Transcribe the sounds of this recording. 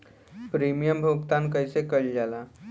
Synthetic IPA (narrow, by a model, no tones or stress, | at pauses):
pɾimijəmbʱuɡt̪ãnkəjsekəɭd͡ʑala